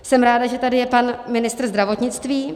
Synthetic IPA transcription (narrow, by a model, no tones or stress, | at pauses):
sɛmɾaːdaʒɛt̪adɪjɛpanmɪnɪst̪r̩zd̪ɾavo̞t̪ɲɪt͡st̪viː